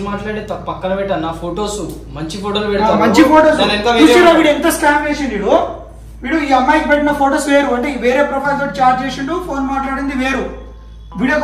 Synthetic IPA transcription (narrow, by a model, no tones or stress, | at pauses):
maːʈlaːɽet̪ɐpɐkːɐnɐpɛʈːaːnaːpʰoːʈoːsumɐɲt͡ʃipʰoːʈɐlpɛɽɐmɐɲt͡ʃipoːʈɐlɐnt̪ɐʋuːt͡ʃilaʋiːɽent̪ɐsʈaːmeːsind̪ʋiːɽu | ʋiːɽuiːɐmːaːjkipeʈːinɐpʰo̞ːʈoːsʋe̞ːɾuɐɳʈeːiʋe̞ːɾeːpɾɐpʰɐjlt̪oːʈit͡ʃaːɾt͡ʃeːsiɳɖupʰoːnmaːʈlaːɽind̪iʋe̞ːɾu | ʋiːɽoːk